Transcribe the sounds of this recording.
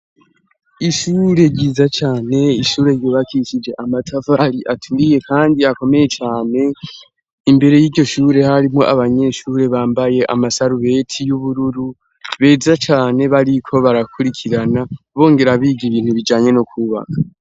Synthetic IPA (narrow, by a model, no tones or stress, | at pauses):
iʃuːɾe̞ɾɟiːzat͡ʃaːne̞iʃuːɾe̞ɾɟoːβakit͡ʃid͡ʒe̞ʔamatʰafaɾiʔatʰuɾije̞kʰaːndiako̞me̞je̞t͡ʃaːne̞ | imbe̞ɾe̞jiːɟo̞ʃuːɾe̞haɾimo̞̰ʔaβaɲe̞ʃuːɾe̞βaːmbaje̞ʔa̰masaɾuβe̞ːtʰijuβuɾuɾu | βe̞ːzat͡ʃaːne̞βaɾikʰo̞βaɾakʰuɾikʰiɾanaβo̞ːŋɡe̞ɾaβiːɡiβiːn̥huβid͡ʒaːɲe̞nokʰuβa̰kʰa